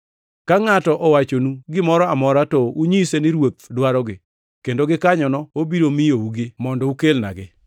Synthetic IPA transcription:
kaŋatɔʔɔwat͡ʃonuɡɪmɔɾɔamɔɾatɔuɲisenɪɾwot̪̚dwaɾɔɡɪ | kendoɡɪkaɲɔnɔobiɾomijouɡɪmɔndɔukelna̰ɡɪ

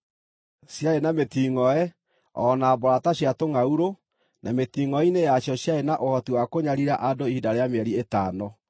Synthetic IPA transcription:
sjaenametiːŋɔɛ | ɔnabɔɾataɕjatoŋauɾo | nʔametiŋɔinejaɕjɔɕjaenaʔohɔtiwakoɲaɾiɾaʔadoihidaɾeameɛɾietaːnɔ

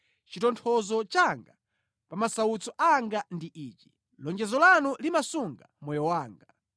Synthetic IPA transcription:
t͡ʃitɔntʰɔzɔt͡ʃaŋɡa | pamasaut͡sɔʔaŋɡandiʔiːt͡ʃi̥ | lɔŋd͡ʒɛzɔlanulimasuŋɡa̰mɔjɔwaːŋɡa

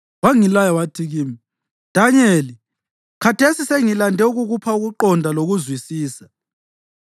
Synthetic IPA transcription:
waŋilajawatʰiɣiːmi | d̥ʱaɲeli | kʰatʰesiseŋilandʱɛuɣuɣupʰauɣuǃɔndʱaloɣuzwisiːsḁ

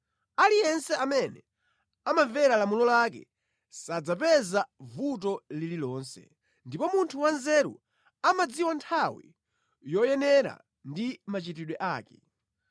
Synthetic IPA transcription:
alijɛnsɛamɛnɛ | amaɱvɛɾalamulɔlakɛ̰ | sad͡zapɛzavutɔlililɔːnsɛ̰ | ndipɔmuntʰuwanzɛɾṵ | amad͡ziwantʰawḭ | jɔjɛnɛɾa̰ | ndimat͡ʃitiɗwɛʔaːkɛ

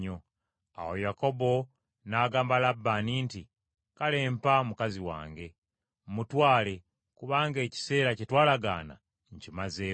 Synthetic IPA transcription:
o | a̰wo̰jako̞bo̞ | naːɡaːmbalabːaninti | kale̞ːmpamukaziwa̰ːŋɡe̞ | mutwaːle̞ | kuβaːŋɡe̞ːci̥se̞ːɾacitwaːlaɡa̰ːna̰ | ɲcimazeː

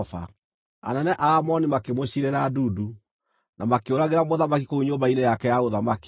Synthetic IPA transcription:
fa̰ | a̰nɛnɛʔaːmɔnimakemoɕiɾeɾaːduːdu | nʔamakeoɾaɣeɾamoðamakikouɲombainejakɛjaoðamak

